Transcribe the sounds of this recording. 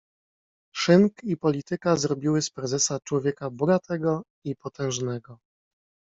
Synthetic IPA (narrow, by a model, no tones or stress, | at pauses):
ʂɘŋkipɔlʲit̪ɘkazɾɔbʲiwɘspɾɛzɛsat͡ʂwɔvʲjɛkabɔɡat̪ʰɛɡɔ | ipɔt̪ɛ̃w̃ʐnɛɡɔ